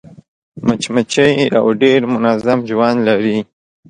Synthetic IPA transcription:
mat͡ʃmat͡ʃəja̰wɖeɾmʊnazamʒwanlaɾi

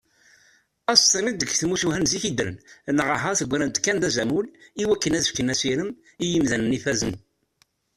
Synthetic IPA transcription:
æst̪ˤːimid̪əɡθmusuhænziçid̪ɾə̰nnəʁəɦɑθəɡʷɾænt̪kːænd̪æzæmuliwækːənæzəfkənæsiɾəm | ijimðænənifæzən

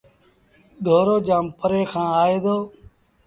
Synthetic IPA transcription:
ɗʱoːɾoːd͡ʒaːmpəɾeːkʰãːaːeːd̪oː

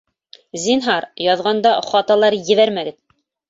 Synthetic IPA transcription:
zʲinɦɑɾjɑðʁɑnd̪ɑχɑt̪ɑlˠɑɾjɘ̆βæɾmæɡɘt̪

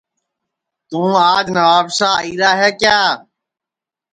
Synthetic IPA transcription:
t̪ũːaːd͡ʒnəʋaːbʃaːiːɾaːɦɛːkjaː

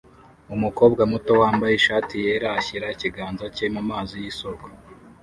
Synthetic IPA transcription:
umuko̞ːbɡamuto̞waːmbajeʃaːtʰijeɾaçiɾaiciɡaːnzacemumaːzijisoɡwa

